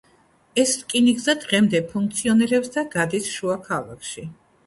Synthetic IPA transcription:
ɛskʼinikʼzad̪ʁɛmd̪ɛpʰuŋk̚ʰt̪sʰiɔnɛɾɛpsd̪aɡad̪isʃuakʰalˠa̰kʰʃi

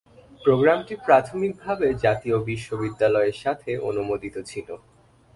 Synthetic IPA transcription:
pɾoɡɾamʈipɾat̪ʰomik̚bʱabed͡ʑat̪iobiʃːobid̪ːalɔeɾʃat̪ʰeʔo̰numod̪it̪ot͡ɕʰilo

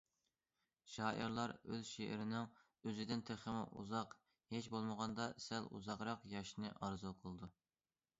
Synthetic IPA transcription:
ʃɑːʔiɾlˠɑɾøzʃeʔɪɾɪnɪŋ | øzɪd̪ɪnt̪ʰeχɪmɪ̰ʔṵzɑq | het͡ʃbolˠməʁɑnd̪ɑsælṵzɑʁɾɑqjɑʃnɨʔɑɾzuqʰəlˠɨd̪u

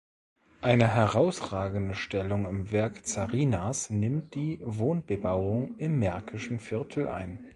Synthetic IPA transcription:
ʔaɪnəɦɛʁaʊsʁ̥aːɡn̩dəʃtɛlʊŋɪmvɛɐkt͡saʁiːnasnɪmt̚d̥iːvoːnbəbaʊʊŋɪmːɛɐkʰɪʃn̩fɪɐtʰl̩ʔa̰ɪn

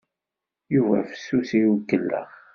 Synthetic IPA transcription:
juvæ̰fə̥sːusijkːəlːə̰ʁ

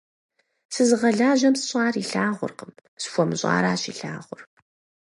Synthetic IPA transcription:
sɨzɨʁɐɮaːʒɐmsɨɕʼɑːriɬaːʁʷʊ̰rqəmsfʷɔmɨɕʼɑ̰ːɾaːɕiɬa̰ːʁʷʊr

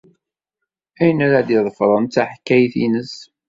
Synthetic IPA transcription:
æjənæɾad̪iðˤəfɾˤɑnt͡saħkːæjθinəs

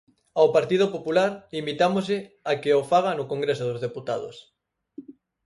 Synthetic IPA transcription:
awpaɾt̪ið̞opopulaɾlimit̪amoze | akeofaɣ̞anʊkoŋɡɾesoðozðeput̪aðo̰s

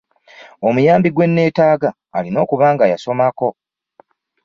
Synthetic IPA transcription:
o̞mujaːmbiɡwe̞nːe̞ːtaːɡaːlino̞ːkuβaːŋɡajaso̞mako̞

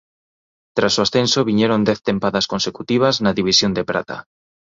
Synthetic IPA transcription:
t̪ɾasoasθẽnsoβ̞iɲeɾond̪ɛθt̪empaðaskonsekut̪iβ̞aznaðiβ̞isjond̪epɾa̰t̪a̰

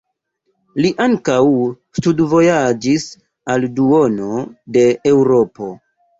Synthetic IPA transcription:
liʔaŋkaw | studvo̞jad͡ʒis | alduo̞no̞de̞ewɾo̞po̞

